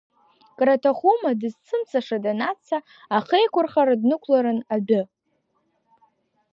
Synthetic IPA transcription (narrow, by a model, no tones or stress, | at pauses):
kʼratʰaχʷumadɨzt͡sʰɨmsaʂadanat͡sʰa | aχejkʷʰʊrχaɾadnɨkʷʰlaɾɨnabɪ